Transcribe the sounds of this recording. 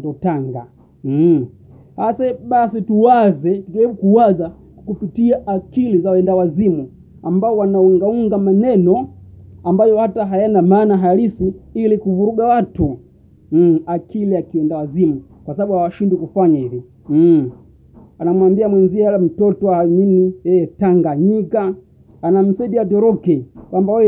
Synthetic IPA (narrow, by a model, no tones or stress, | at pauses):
dɔtaŋɡa̰ | hasaɓasituwazɛtuʄɛɾiɓukuwaza | kupitiaʔakilizawɛndawazimu | ambaɔwanauŋɡauŋɡamanɛnɔambajɔhataɦajanamaːnaɦaalisiilikuvuɾuɡawatu | akiliakiwɛndawazimu | kwasaɓaɓuhawaʃindikufaɲahivi | m̩ | anamwambiamwɛnziaalam̩tɔtɔahaminijɛjɛtaŋɡaɲikaː | nam̩sɛdiatɔɾɔkɛkwambawɛ